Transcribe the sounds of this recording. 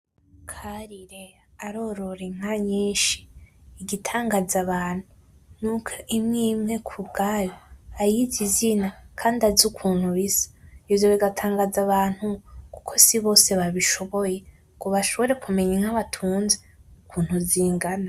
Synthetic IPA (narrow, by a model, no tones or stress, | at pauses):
kʰaɾiɾe | aɾo̞ɾo̞ɾeŋ̥haɲiːʃi̥ːɡitʰaːŋɡazaβaːn̥huu | nukʰeʔimŋiːmŋe̞kʰub̚ɡajoajizizinakʰaːndazukʰuːn̥huβisḁjozoβiɡatʰaːŋɡazaβaːn̥huku̥kʰo̞siβo̞ːse̞βaβiʃo̞βo̞je̞ | kuβaʃo̞βo̞ɾe̞kume̞ɲeŋ̥haβatʰuːnze | ukʰuːn̥huziːŋɡana